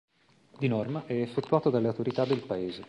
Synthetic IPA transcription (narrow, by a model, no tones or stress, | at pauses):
d̪inɔrmaʔɛefːet̪ːuaːt̪od̪alːeawt̪oɾit̪ad̪ːelpaeːze